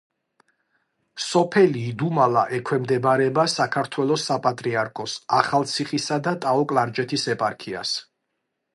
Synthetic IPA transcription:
sɔpʰɛliːd̪umalaʔɛkʰwɛmd̪ɛbaɾɛbasakʰaɾt̪ʰwɛlˠɔsːapʼat̪ʼɾiaɾkʰɔsaχalˠt̪sʰiχisad̪at̪ʼaɔkʼlaɾd͡ʒɛt̪ʰisɛpʼaɾkʰia̰s

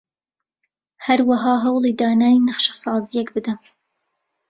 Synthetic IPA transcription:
hɐɾwaɦɑːɦɐwlˠiːd̪aːnaːjinɐχʃɐ̥sɑːzijɛkbɨd̪ɐm

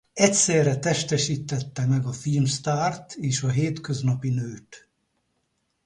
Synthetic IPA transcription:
ɛcsɛːrɛt̪ɛʃt̪ɛʃiːt̪ːɛt̪ːɛmɛɡɒfilmst̪aːrt̪ʰeːʃɒɦeːt̪køznɒpinøːt̪

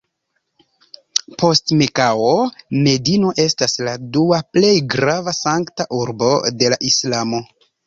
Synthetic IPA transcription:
pʰo̞stmekaome̞dino̞ʔe̞stasladuaple̞jɡɾavasaŋktaʔuɾbo̞de̞laʔislamo̞

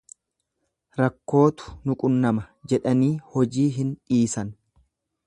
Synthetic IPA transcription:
ɾɐkːo̞ːt̪ʊ̥nʊkʼʊnːɐmɐd͡ʒɛᶑɐniːhɔd͡ʒiːɦɪnᶑiːsɐn

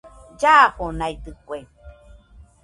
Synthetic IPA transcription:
d͡ʒahonajd̪ɨkwe

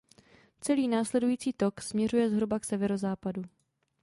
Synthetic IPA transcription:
t͡sɛliːnaːslɛdujiːt͡siːt̪o̞ksmɲɛrujɛzɦɾubaksɛvɛɾo̞zaːpadu

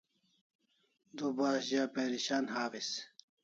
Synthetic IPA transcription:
d̪ubaːɕʑaːpeːɾiɕaːnɦaːfis

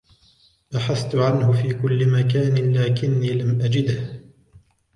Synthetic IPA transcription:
ʔaħaθt̪ʊʕanhʊfiːkʊlːɪmakaːnɪlaːkɪnːiːlamʔad͡ʒɪd̪h

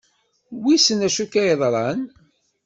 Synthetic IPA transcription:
wisənæʃukæjəðˤɾˤɑn

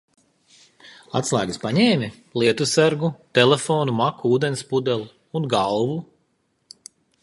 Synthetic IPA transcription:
a̰t̪slˠa̰ːɡɨspaɲɛːmʲi | lˠiɛt̪usæɾɡut̪elefoːnumakuuːd̪enspud̪ɛlˠu | unɡalˠvu

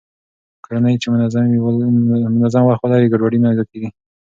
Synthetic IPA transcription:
kaɽanəjt͡ʃemʊnazamiwmʊnazamwaxwalawiɡaɖwaɽimaaɡalkeɡi

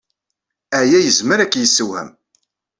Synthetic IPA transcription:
æjæjəzməɾækːjəsːəwhə̰m

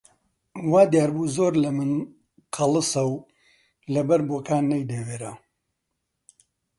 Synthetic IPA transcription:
waːd̪jaːɾbuːzoːɾlɐmɨn | qʰɐlˠɨsɐw | lɐbɐɾboːkaːnːɐjd̪eweːɾa

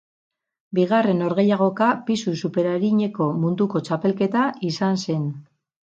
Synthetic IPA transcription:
biɣare̞no̞ɾɣe̞jaɣ̞o̞kapisusupe̞ɾaɾiɲe̞ko̞mund̪uko̞t͡ʃape̞lke̞t̪aisanse̞n

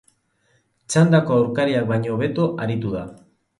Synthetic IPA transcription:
t͡ʃand̪akoawɾkaɾiak̚bajɲoːβe̞t̪oʔaɾit̪uða

